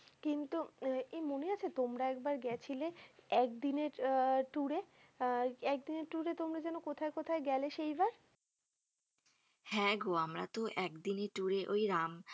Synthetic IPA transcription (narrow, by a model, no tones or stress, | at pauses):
kint̪uemoneat͡ɕʰet̪omɾaɛk̚baɾɡɛt͡ɕʰileɛk̚d̪ineɾʈuɾe | ɛk̚d̪ineɾʈuɾet̪omɾad͡ʑɛnokot̪ʰaekot̪ʰaeɡɛleʃejbaɾ | hɛ̃ɡoamɾa̰t̪oʔɛkd̪ineɾʈuɾeʔojɾam